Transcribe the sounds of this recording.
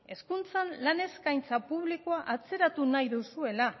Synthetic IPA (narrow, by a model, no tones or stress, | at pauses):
e̞skunt͡sanlane̞skajnt͡sapuβ̞likoaʔat͡se̞ɾat̪unajðusue̞la